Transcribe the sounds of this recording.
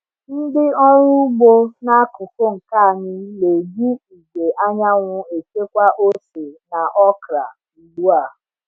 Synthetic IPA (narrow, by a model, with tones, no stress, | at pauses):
n̩˦dɪ˦ɔ˦ɾʊ˦ɡ͡bo˦na˦kʊ˨kʊ˦ŋ̩˨ka˦a˨ɲɪ˦le˨d͡ʒi˦i˨ɡe˨ʔa˦ɲa˦ŋʷʊ˦e˨ke˦kʷa˦ʔo˦se˨na˨ʔɔ˦kɾa̰˨ | lu˦a˦˨